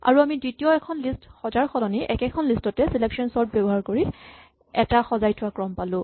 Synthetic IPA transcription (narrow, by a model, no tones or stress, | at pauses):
a̰ɹuamidɹitijɔɛkʰɔnlistxɔzaɹxɔlɔniʔɛkɛkʰɔnlistɔtɛsileksɔnsɔɹd̚bɔbɔɦaɹkoɹi | ɛtaxɔzajtʰʊwakɹɔmpalʊ̃